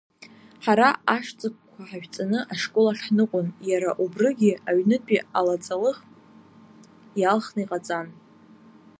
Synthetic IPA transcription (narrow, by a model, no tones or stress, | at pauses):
ħaɾaaʂt͡sʼɨk̚ʷʰkʷʰaħaʒᶣt͡sʼanɨʔaʂkʼolaχħnɨqʷʼʊnjaɾaʔubrɨɡʲiaɥnɨtʼialat͡sʼalɨχ | jalχnaiqʼat͡sʼan